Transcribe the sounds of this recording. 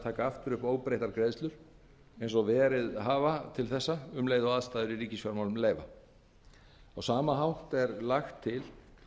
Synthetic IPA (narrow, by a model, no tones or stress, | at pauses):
t̪ʰaːkaaft̪ʏɾʏhpoːwpɾejht̪aɾkɾejðst̪lʏɾ̥ | ejnsɔvɛːɾɪðɦaːvat̪ʰɪlθɛsːaʏmleːjðaaðst̪aːjðʏɾiɾiːcɪsfjaɾmawlʏmleːjva̰ | awsaːmaɦawn̥t̪ɛɾlaxt̪ʰːɪl